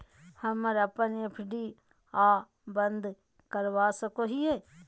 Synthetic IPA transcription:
hɐməɾɐpənepʰɪɖi | aː | bɐnd̪ | kəɾʋaːsəkoɦieː

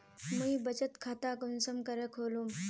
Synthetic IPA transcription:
mujbət͡ɕət̪kʰat̪akonsəmkəɾəkʰolum

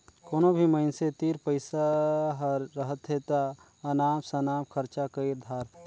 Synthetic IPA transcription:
koːnobʱiməɪnset̪iːɾpəɪsaɦəɾːəɦət̪ʰet̪a | ɐnaːmsɐnaːmkʰəɾt͡ʃakəiɾd̪ʱaːɾ

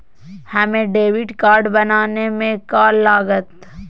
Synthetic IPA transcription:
hɐmẽɖeːʋɪɖkaːɾɖbɐnaːnemẽkaːlːaːɡət̪

